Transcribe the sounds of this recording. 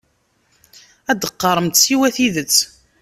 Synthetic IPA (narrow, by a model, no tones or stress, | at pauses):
æd̪əqːɑɾˤəmt̪siwæθiðət͡sː